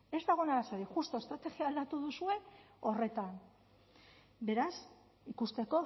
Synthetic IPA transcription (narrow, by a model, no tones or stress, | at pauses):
e̞zd̪aɣ̞o̞naðaseɾiʝust̪o̞est̪ɾat̪e̞ɣiaːld̪at̪uðusue̞ | o̞re̞t̪an | be̞ɾas | ikust̪e̞ko̞